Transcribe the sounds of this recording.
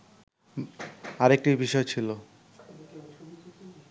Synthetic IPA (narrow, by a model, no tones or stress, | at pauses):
aɾek̚ʈibiʃɔet͡ɕʰilo